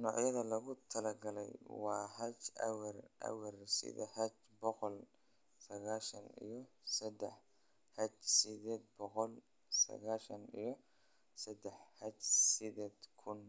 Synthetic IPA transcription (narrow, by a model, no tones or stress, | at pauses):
nɔ̰ːʕjɐðɐlɐɣʊt̪ʰɐlɐɡɐlɛ̰jwɑːɦɐt͡ʃɐ̰wɐrʔɐ̰wɐrsɪ̰ðɐhɐt͡ʃ | bɔqɔl | sɐɣaːʃɐnḭjɞsɐd̪ɛħ | hɐt͡ʃsɪðɛːd̪̚bɔqɔl | sɐ̰ɣaːʃɐnijɞ | sɐd̪ɛħhɐt͡ʃsɪd̪ɛːd̪kʰʊn